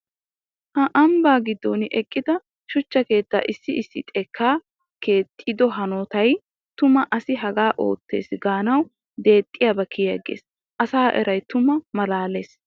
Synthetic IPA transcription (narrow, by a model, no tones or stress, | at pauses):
hɐʔɐmbaːɡɪd̪ːɔnɪʔɛkʼːɪd̪ɐ | ʃʊt͡ʃːɐke̞ːt̪ːa̰ːʔɪsːɪɪsːɪt̪ʼɛkːaː | ke̞ːt̪ʼːid̪ɔɦɐnoːt̪ɐj | t̪ʊmɐʔɐsɪɦɐɡaːʔo̞̰ːt̪ːe̞̰ːsɡaːnɐw | d̪e̞ːt̪ʼːɪjaːbɐkʰɪjjɐ̰ɡḛːs | ʔɐsaːʔɛ̰ɾʔɐjt̪ʊmɐmɐlaːle̞ːs